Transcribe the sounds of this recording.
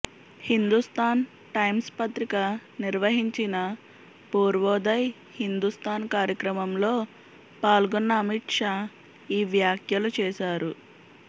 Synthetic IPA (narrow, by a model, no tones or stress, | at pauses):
hind̪ust̪aːn | ʈɐjmspɐt̪ɾikɐniɾʋɐɦiɲt͡ʃinɐ | puːɾʋɔːd̪ɐj | hind̪ust̪aːnkaːɾjɐkɾɐmɐmlo̞ː | paːlɡonːɐːmiʈʂaː | iːʋjaːkʰjɐlut͡ʃɛːʃaːɾu